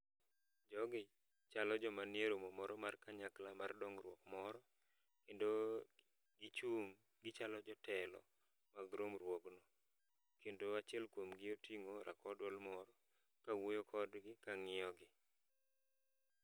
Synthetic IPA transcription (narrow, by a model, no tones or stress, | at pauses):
d͡ʒɔɡɪ | t͡ʃalɔd͡ʒɔmanɪeɾomɔmɔɾɔmarkaɲaklamardɔŋɾwɔkmɔɾɔ | kendo | ɡɪt͡ʃum | ɡɪt͡ʃalɔd͡ʒɔtɛlɔ̰ | maɡɾomɾwoknɔ | kendoat͡ʃɪɛlkwomɡɪotiŋoɾʔa̰kɔdwɔlmɔɾɔ | kawojokʰɔdɡɪkaŋɪɔɡɪ